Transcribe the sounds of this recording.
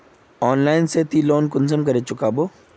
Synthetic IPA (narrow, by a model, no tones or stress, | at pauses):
ɔːnlaːɪnset̪ʰiloːnkʊnsəmk̬ɐɾet͡ʃʊkaboː